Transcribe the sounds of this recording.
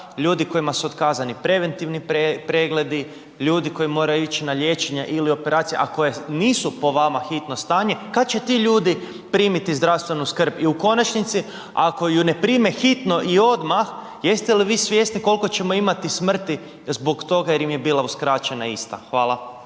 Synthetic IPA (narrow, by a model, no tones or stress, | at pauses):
ʎuːd̪iko̞imasuod̪kaːzanipɾe̞ʋe̞nt̪iʋnipepɾeɡle̞d̪i | ʎuːd̪iko̞jimo̞ːɾajuit͡ʃinaʎe̞t͡ʃe̞ɲaʔilio̞pe̞ɾaːt̪sijḛʔako̞jeniːsupo̞ʋamaxit̪no̞st̪aːɲekad̪̚t͡ɕe̞t̪iʎuːd̪i | pɾiːmit̪izd̪ɾaʋst̪ʋe̞nuskr̩biuko̞nat͡ʃnit̪si | ako̞june̞pɾiːmexit̪no̞ʔio̞d̪max | je̞st̪eliʋiːsʋjesniko̞lko̞t͡ɕe̞mo̞imat̪ismr̩t̪i | zbo̞kt̪o̞ɡajeɾimjebiːlˠauskɾaːt͡ʃe̞naist̪a̰xʋaːlˠa